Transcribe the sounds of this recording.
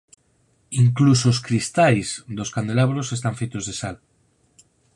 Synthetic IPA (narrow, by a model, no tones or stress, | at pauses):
iŋklus̬os̬kɾist̪ajzd̪oskand̪elaβ̞ɾosest̪aɱfejt̪ozðesal